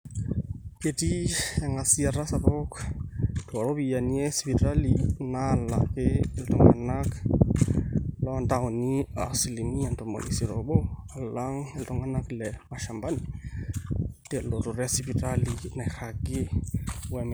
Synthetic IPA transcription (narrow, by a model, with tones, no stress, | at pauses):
pje˨ti˦ja˨ŋa˨si˦a˨ɾa˦sa˨bɔ˦k | twa˨ɾo˦bi˨ja˨ni˦ɛ˦si˨pi˨ta˦lina˦˨la̰˨ke˦e˨ltɔ˦ŋa̰˨na˦k | lɔ˦a˨nta˦o˨ni˦a̰˨si˨li˨ni˦a˨nto˨mo̰˨ḭ˨si˨ɾo̰bo˦a˨la˦ŋe˨ltɔ˦ŋa˦na˦klɛ˨ma˨ʃa˨mba˦ni˨ | te˨lo˨to˨ɾɛ˦a˦si˦pi˨ta˦li˨na˨xa˨ɡe˦wɛ˨m